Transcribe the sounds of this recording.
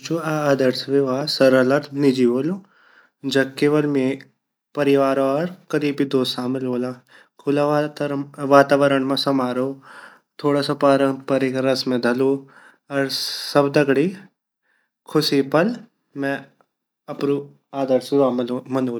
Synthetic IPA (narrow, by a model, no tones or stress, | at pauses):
t͡ʃuaaːd̪əɾsʋeʋaːsɐɾələɾt̪nɪd͡ʒiʋoːlo | d͡ʒɐb̚keːʋəlmẽ | pɐɾɪʋaːɾoɔɾkɐd̪iːbʱid̪oːsaːmɪloːlaː | kʰʊla | ʋaːt̪aːʋəɾəɳmãsɐmaːɾoː | t̪ʰoːɽaːsapaːɾə̃mpɐɾekɾɐsmẽd̪ʱɐloː | ɐɾsɐbd̪ɐɡɽi | kʰʊsipɐl | mɛ̃ | ɐpɾu | aːd̪əɾsɾaːmmɐnoːl